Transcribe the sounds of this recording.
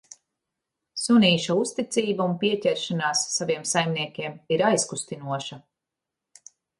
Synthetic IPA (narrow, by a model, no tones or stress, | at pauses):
suniːʃaust̪it̪siːbaunpiɛcʲɛɾʃanaːsːaviɛmsajmniɛkʲiɛmiɾajskust̪inuɔʃɐ